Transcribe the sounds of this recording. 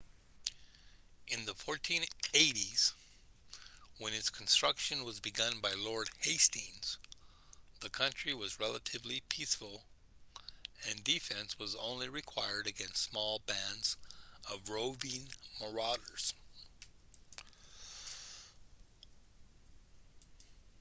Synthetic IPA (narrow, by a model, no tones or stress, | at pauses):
ʔɨ̃nðəfɔɹtʰĩneɪɾiz̥ | wə̃nɨtskʰn̩stɹ̥ʌkʃɨ̃nwʌzbɨɡʌ̃nbaɪlɔɹd̚heɪstĩnz̥ | ðɨkʰʌ̃nt͡ʃɹ̥iwʌzɹɛlˠəɾɨvlipʰisfl̩ˠ | ɨ̃ndifɛ̃nswʌzõ̰ʊ̃nliɹɨkʰw̥aɪə˞ɾɨɡɛ̃nstsmɔlˠbæ̃ndzʌvɹoʊbĩnmə˞ɑɾə˞z̥